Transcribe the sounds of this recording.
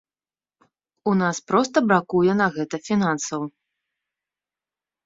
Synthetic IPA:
unaspɾɔst̪ɐbɾakujɛn̪ɐɣɛt̪ɐfʲinansɐw

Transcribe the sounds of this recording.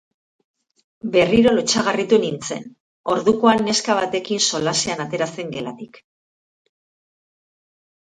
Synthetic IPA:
be̞riɾo̞lo̞t͡ʃaɣ̞arit̪unint͡se̞̰n | o̞ɾðuko̞anːe̞skaβ̞at̪e̞kinso̞laseanat̪e̞ɾase̞ŋɡe̞la̰t̪ik

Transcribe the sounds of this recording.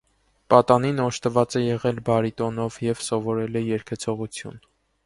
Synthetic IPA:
pɑt̪ɑninɔʃt̪əvɑt͡sɛjɛʁɛlbɑɾit̪ɔn̪ɔvjɛvsɔvɔɾɛlɛjɛɾkʰɛt͡sʰɔʁut͡sʰjṵn

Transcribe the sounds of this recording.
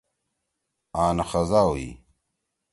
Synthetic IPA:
aːnɐxɐzaːwḭ

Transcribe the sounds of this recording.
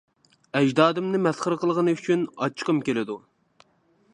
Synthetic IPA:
ɛd͡ʒd̪ɑːd̪ɨmnɨmɛsχəɾəqəlˠʁənɨyt͡ʃʰynɑ̰t͡ʃʰːqəmkʲelɪd̪u

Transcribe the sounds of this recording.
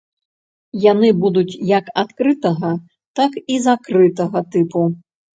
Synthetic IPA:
janɨbud̪ut͡sʲjɐkat̪kɾɨt̪ɐɣɐ | t̪akizakɾɨt̪ɐɣɐt̪ɨpu

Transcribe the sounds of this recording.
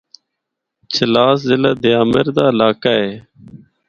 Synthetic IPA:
t͡ʃʰəlaːszɪlaːd̪ɪjaːmeɾd̪aːlaːkaːeː

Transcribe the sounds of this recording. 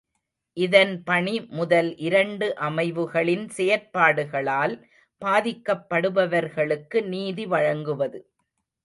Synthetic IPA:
ʔɪðɐnpɐɳimʊðɐlʔɪɾɐɳɖɯʔɐmɐɪʋɯɣɐɭɪnsɛjɐɾpaːɽɯɣɐɭaːl | paːðɪkːɐpːɐɽɯʋɐʋɐɾɣɐɭɯkːɯniːðiʋɐɻɐŋɡɯʋɐðɯ

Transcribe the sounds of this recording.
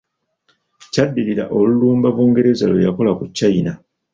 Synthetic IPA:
cadːiliɾa̰ʔo̞luluːmbaβuːŋɡe̞ɾe̞za̰lojako̞lakucːajina

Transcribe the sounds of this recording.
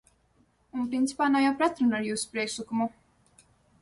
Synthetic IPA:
unpɾint̪i̥paːnawjawpɾat̪ɾunaɾjuːsu̥pɾiɛkʃlˠɨkumu

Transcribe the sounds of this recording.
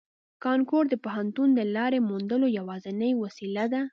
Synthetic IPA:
kɑnkoɾd̪əpaɦant̪und̪əlɑɾemund̪əlojawɑzənəjwasilad̪a

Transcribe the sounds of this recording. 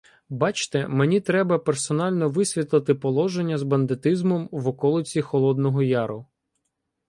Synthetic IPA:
bɑt͡ʃt̪ɛmenʲit̪ɾɛbɐpersɔnɑlʲnɔʋɪsʲʋʲit̪lˠɪt̪ɪpɔlˠɔʒenʲːɐzbɐnd̪ɪt̪ɪzmɔmʋɔkɔlˠɪt͡sʲixɔlˠɔd̪nɔɦɔjɑɾʊ

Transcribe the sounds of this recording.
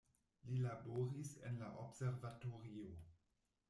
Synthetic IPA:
lilaboɾisḛnlaʔobseɾvatoɾio

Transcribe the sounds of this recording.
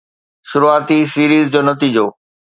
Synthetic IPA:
ʃuɾuaːt̪isiɾizd͡ʑɔnət̪id͡ʑoː

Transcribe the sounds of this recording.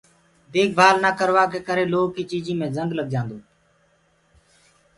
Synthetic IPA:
d̪eːk̚bʱaːlnaːkəɾʋaːkeːkəɾeːloːkiːt͡ʃiːd͡ʒĩːmẽːzəŋɡləɡd͡ʒãːnd̪oː

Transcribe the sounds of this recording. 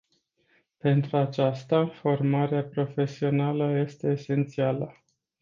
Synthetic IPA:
pe̞nt̪ɾuat͡ʃast̪afo̞rmaɾeapɾo̞fe̞sio̞naləje̞st̪e̞ːse̞nt̪sialə

